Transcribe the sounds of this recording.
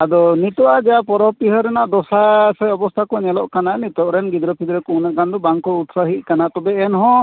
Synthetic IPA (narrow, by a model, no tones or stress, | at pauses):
ad̪ɔnit̪ɔʔad͡ʒɛapɔɾɔpiɦɔɾɛnaʔd̪ɔsasɛɔbɔst̪ʰakɔnɛlɔʔkananit̪ɔʔɾɛnɡid̪ɾɔpid̪ɾɛkɔunaʔɡand̪ɔbaŋkɔut̪saɦiʔ̚kanat̪ɔbɛɛnɦɔ̃